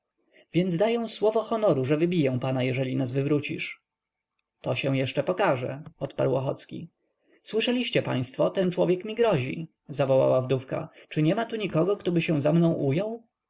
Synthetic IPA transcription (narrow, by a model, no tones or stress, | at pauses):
vʲjɛnd̪zd̪ajɛw̃swɔvɔxɔnɔɾuʐɛvɘbʲijɛ̃panajɛʐɛlʲinazvɘvɾut͡ɕḭʂ | t̪ɔɕɛw̃jɛʂt͡ʂɛpɔkaʐɛ̰ɔt̪pa̰ɾwɔxɔ̰t̪skʲḭ | swɘʂɛlʲiɕt͡ɕɛpa̰j̃st̪fɔt̪ɛnt͡ʂwɔvʲjɛkmʲiɡɾɔʑḭ | zavɔwa̰wavd̪ufka̰t͡ʂɘɲɛmat̪uɲikɔɡɔkt̪ɔbɘɕɛw̃zamnɔ̃w̃ʔujɔw